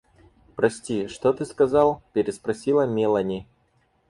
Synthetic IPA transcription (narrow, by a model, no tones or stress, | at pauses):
pɾɐsʲtʲiʂt̪ot̪ɨskɐzɑlˠpʲɪɾʲɪspɾɐsʲilˠɐmʲelˠɐnʲi